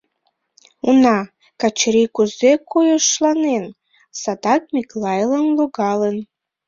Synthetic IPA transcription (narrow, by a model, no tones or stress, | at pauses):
unɑ | kat͡ʃʰɾikʷuzekʰojoʃlanen | sad̪ɑkmʲiklˠɑjlənluɡɑlən